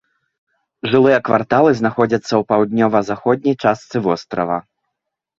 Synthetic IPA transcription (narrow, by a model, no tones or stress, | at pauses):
ʐɨlˠɨjɐkva̰rt̪alˠɨznaxɔd͡zʲɐt̪sːɐwpawd̪̚nʲɔvɐzaxɔd̪̚ʲnʲɐjt͡ʂast̪sɨvɔst̪ɾɐvɐ